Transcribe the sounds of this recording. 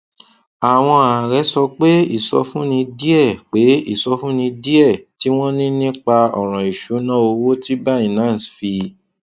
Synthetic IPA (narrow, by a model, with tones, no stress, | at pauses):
a˨w̃ɔ̃˧a˨ɾɛ˨˦sɔ˧k͡pe˦i˦˨sɔ̰˧fũ˦nĩ˧di˦ɛ˦˨k͡pe˨˦i˦˨sɔ˧fũ˦nĩ˧di˦ɛ˦˨ti˨˦w̃ɔ̃˦nĩ˦nĩ˦k͡pa˧ɔ˨ɾ̃ã˨i˨ʃu˨˦nã˦o˧wo˦ti˦ba˦i˦˨nã˨˦˨sfi˧